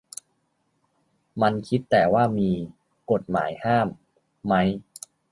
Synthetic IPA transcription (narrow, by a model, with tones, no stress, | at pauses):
ma˧nkʰi˦˥t̪ːɛː˨˩waː˥˩miː˧ | ko˨˩t̪̚ma̰ː˩˦jhaː˥˩mː | a˦˥j